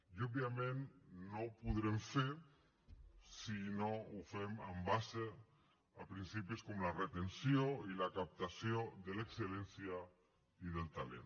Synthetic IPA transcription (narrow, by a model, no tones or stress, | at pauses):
jobjamẽnnːowpuðɾemfeɾ | sinoufemambase | apɾinsipiskomlaret̪ensjoilakap̚t̪asjoðelekselensja | iðelˠt̪alḛn